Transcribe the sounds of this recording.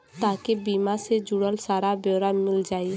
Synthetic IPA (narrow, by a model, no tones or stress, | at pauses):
t̪aːkebiːmased͡ʒʊɽəlsaːɾabjoːɾaːnmɪld͡ʒaːie